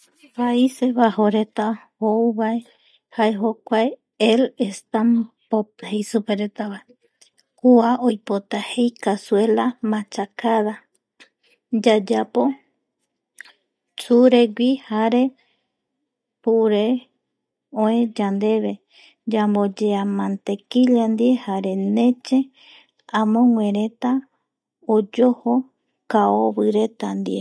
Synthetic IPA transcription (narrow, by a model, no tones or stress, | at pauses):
paise̞βahoɾe̞t̪ahouβae | haeɦo̞kʷae | elest̪ambophejsupeɾet̪aβae | kuaʔojpo̞t̪ahe̞jkasue̞lamãt͡ʃakaða | d͡ʒad͡ʒapo̞ | t͡ʃuɾe̞ɡʷihaɾe̞ | puɾe̞ | õẽd͡ʒand̪e̞βe̞ | d͡ʒambo̞d͡ʒeamãnt̪e̞kiʎand̪iehaɾe̞nẽ̞t͡ʃe | ãmõ̞ŋʷẽ̞ɾe̞t̪a | od͡ʒoho | kaoβɨɾe̞t̪and̪ḭe